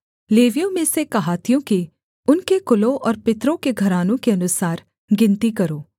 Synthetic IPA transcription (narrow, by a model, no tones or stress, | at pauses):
leːʋijõmẽsekɐɦaːt̪ijõki | ʊnkekʊlõʔɔːɾpɪt̪ɾõkeɡʱɐɾaːnõkeɐnʊsaːɾ | ɡɪ̃nt̪ikɐɾoː